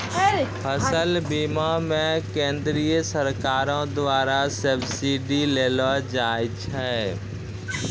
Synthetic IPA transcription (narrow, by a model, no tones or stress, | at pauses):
pʰəsəlbiːmamẽkẽːnd̪ɾijəsəɾkaːɾõd̪waːɾasəbsiɖileːlad͡ʒaːjt͡ʃʰɛ